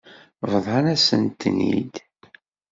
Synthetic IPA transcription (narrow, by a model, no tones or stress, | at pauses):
vəðˤɑnæsə̰nt̪ːnḭd̪